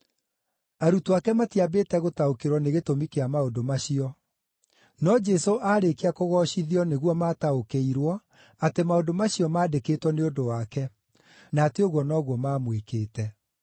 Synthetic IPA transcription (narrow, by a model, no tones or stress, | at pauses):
aɾutoakɛmatiabeːtɛɣotaokeɾwɔneɣetomikeamaodomaɕiɔ | nɔd͡ʒɛsoʔaːɾekeakoɣɔɕiðiɔneɣwɔmaːtaokeiɾwɔ | atemaodomaɕiɔmaːdeketwɔneodowakɛ | naːteoɣwɔnɔɣwɔmaːmwekeːtɛ